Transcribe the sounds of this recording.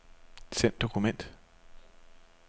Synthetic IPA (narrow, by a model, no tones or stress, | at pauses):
sen̰d̥o̝kʰumen̰d̥